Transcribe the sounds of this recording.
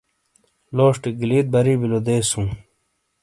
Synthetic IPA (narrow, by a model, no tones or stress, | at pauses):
loːʂʈiɡiliːt̪̚bɐɾiːbilod̪eːsũː